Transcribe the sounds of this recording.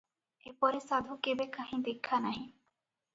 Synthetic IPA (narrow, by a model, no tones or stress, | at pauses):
epɔɾesad̪ʱukebekaɦĩd̪ekʰːanaɦĩ